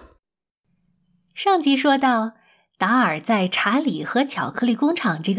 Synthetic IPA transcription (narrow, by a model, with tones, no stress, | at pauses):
ʂɑ˥˩ŋt͡ɕi˧˥ʂwɔ˥t̪̬ɑ˥˩ʊ | t̪a˧˥ə˞˨˩t͡sa˥˩ɪʈ͡ʂʰa˧˥nli˨˩xɤ˧˥t͡ɕʰjɑ˨˩ʊkʰɤ˥li˥˩kʊ˥ŋʈ͡ʂʰɑ˨˩ŋʈ͡ʂɤ˥˩ɡ